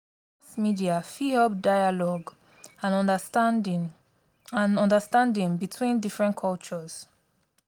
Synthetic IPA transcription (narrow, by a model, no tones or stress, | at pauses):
asmidiafihɛp̚daɪalɔɡ | ãn | ãnɔ̃ndəstãndĩŋbitʰwĩndifɹɛ̃nkʰɔlt͡ʃɔz̥